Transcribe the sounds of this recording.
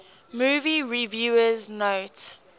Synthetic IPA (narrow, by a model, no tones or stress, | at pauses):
muːviɹivjuːəznoʊt